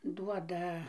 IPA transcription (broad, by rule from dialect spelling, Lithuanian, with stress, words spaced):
ˈduɔdɐ